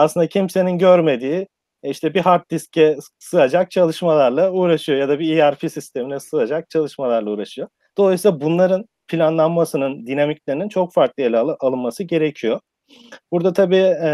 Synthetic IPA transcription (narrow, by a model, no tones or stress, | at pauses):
aslɯnd̪acʰimse̞ninɟøɾme̞d̪iː | iʃt̪ʰɛbiɦaɾt̪̚d̪iscʰɛ | sɯad͡ʒak̚t͡ʃʰalˠɯʃmalˠaɾlˠauːɾaʃɯjo̞jad̪abiiaɾfisist̪ʰe̞minɛsɯad͡ʒak̚t͡ʃʰalˠɯʃmalˠaɾlˠauːɾaʃɯjo | d̪̥o̞lˠajsilˠabunlˠaɾɯn | pʰilʲanlˠanmasɯnɯnd̪inamiclʲeɾinint͡ʃʰo̞kfaɾklˠɯelʲʔalˠɯnmasɯɟe̞ɾecʰijo̞ | b̥uɾd̪at̪ʰabiː